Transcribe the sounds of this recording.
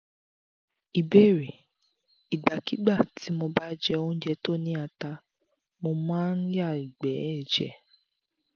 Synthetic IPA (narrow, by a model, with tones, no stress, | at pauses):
i˨be˦˨ɾe˨ | i˨ɡ͡ba˨ki˨˦ɡ͡ba˦˨tʰi˨˦mo˧ba˦d͡ʒɛ˦˧õ˧˦d͡ʒɛ˧to˦˨nĩ˦a˧ta˧ | mo˧mãː˦n̩˦ja˦˨i˨ɡ͡bɛ˨˦ɛ˦˨d͡ʒɛ̰˨˦